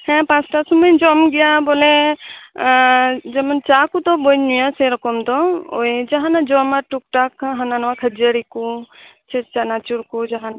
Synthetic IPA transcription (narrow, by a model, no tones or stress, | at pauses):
hɛ̃pãsʈasuməjd͡ʒɔmɡɛjabɔlɛ | d͡ʒɛmant͡ʃakut̪ɔbɔjɲnujaseɾɔkɔmd̪ɔo̰jd͡ʒaɦanad͡ʒɔmaʈuk̚ʈakɦananwakʰəd͡ʒəɾiku | t͡ʃʰɛt͡ʃanat͡ʃuɾkud͡ʒaɦan